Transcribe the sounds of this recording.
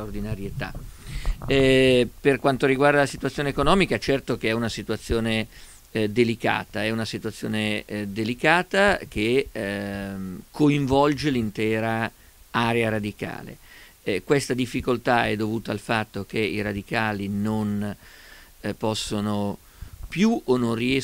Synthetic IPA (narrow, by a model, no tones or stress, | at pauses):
ord̪inaɾjet̪a̰ | ɛperkwant̪oɾiɡward̪alasit̪uat̪sjoːneekonɔːmikat͡ʃɛrt̪ok̟eɛunasit̪uat̪sːjoːne | d̪elika̰ːt̪aɛunasit̪uat̪sːjo̰ːned̪elikaːt̪ak̟e | kʰoiɱvɔld͡ʒelint̪ɛːɾa | aɾeaɾad̪ika̰ːlḛ | kwest̪ad̪ifːikolt̪aɛd̪ːovuːt̪aːlfat̪ːok̟eiɾad̪ikaːlinon | pɔsːono | pjuonːonriɛ